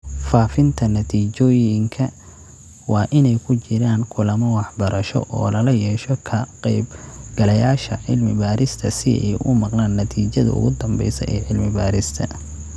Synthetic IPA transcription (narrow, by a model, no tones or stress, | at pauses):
faːfɪnt̪ʰɐnɐt̪ʰiːt͡ʃɔːjɪŋkʰɐ | wɑːʔɪnɛjkʰʊt͡ʃɪɾaːŋkʰʊlɐmɐwɑħbɐɾʔɐʃɔ̰ʔɔ̰ːlɐlɐjɛːʃɔkʰɐqɛjbɡ̥ɐlɐjaːʃɐʕɪlmɪ̰baːɾɪst̪ʰɐsɪɛ̰jʔʊ̰mɑqnaːnːɐt̪ʰiːt͡ʃɐðɐ̰ʔʊ̰ɣʊd̪ɐmbɛ̰jsɐ̰ʔɛːʕɪlmɪbaːɾɪst̪ʰɐ̰